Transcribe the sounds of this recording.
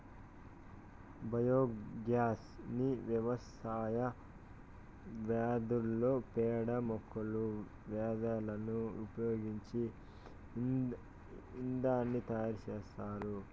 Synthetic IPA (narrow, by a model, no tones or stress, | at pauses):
bʱɐjoːɡjaːsniʋjɐʋɐs | aːjɐ | ʋɛːd̪ulːoːpɛːɽɐmɔkʰːɐlu | ʋɛːd̪ɐlɐnuupɐjoːɡiɲt͡ʃi | ind̪aːnːit̪ɐjaːɾut͡ʃeːʃaːɾu